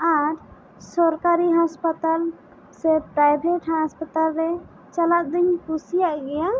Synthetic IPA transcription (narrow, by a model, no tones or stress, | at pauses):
aɾ | sɔɾkaɾiɦaspət̪al | sepɾajbʱeʈɦaspət̪alɾe | t͡ʃəlat̪̚d̪iŋpusijaʔɡɛja